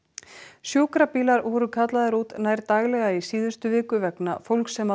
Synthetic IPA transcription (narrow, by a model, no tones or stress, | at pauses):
sjoːwkɾapiːlaɾɔɾʏkʰat̪laðaɾuːt̪naːjɾt̪aːɣlɛɣaisiːðʏ̥st̪ʏvɪːkʏvɛkna̰fowlksɛma